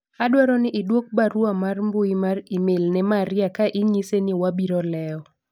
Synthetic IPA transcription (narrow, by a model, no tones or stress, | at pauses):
adwaɾɔnɪʔɪdwok̚baɾwamarmbʊimarimelnɛmaɾɪakaʔɪɲisenɪwabiɾɔlɛɔ